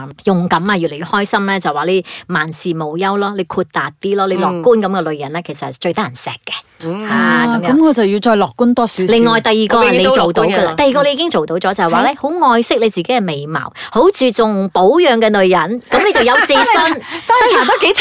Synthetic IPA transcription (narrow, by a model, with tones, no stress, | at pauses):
jʊ˨˩ŋkɐ˨˥maː˧jy˨le˨˩jy˨˧hɔː˥jsɐ˥mlɛː˥t͡sɐ˨˩waː˨le˨˧maː˨˩nsiː˨mo˨˩wjɐ˥wlɔː˥le˨˧jkʰuː˧t̚t̪aː˨t̚t̪iː˥lɔː˥le˨˧jlɔː˨kkːuː˥nkɐ˨˧˥mkɛ˧lɵ˨ɥjɐ˨˩nlɛː˥kʰe˨˩jsɐ˨t̚t͡ʃɵ˧ɥt̪aː˥jɐ˨˩nsɛ̰ː˨˩kːɛ̥˧ha˨˩˨mkɐː˨˧˦mkʰɔː˨˧t͡sɐ˨wjiː˧t͡ʃɔː˧jlɔː˨kːuː˥nt̪ɔː˥si˨˦lɪ˨ŋːɔː˨jt̪ɐ˨˩jːiː˨kɔː˧a˨ne˨˧jt͡ʃo˨wt̪o˧˨˥wɡɐ˧lt̪ɐ˨jiː˨˧kɔː˧le˧jiː˨˧kɪ˥ŋt͡so˨wt̪o˨˥wt͡sɔː˨˥t͡sɐ˨˩hwaː˨˩lɛː˥ho˨˥wŋɔː˧jsɪ˥k̚le˨˧jt͡siː˨ke˨˥jkɛ˧me˨˩jmɐ̰˨˩who˨˥wt͡syː˨t͡sʊ˨ŋpo˨˥wjœː˨ŋkɛ˧nɵ˨ɥjɐ˨˩nkɐ˨˥mle˨˧jt͡sɐ˨wjɐ˨˧wt͡si˧˥sɐ˥n˥sɐ˥nʰaː˨˩t̪ɔ˥ke˨˥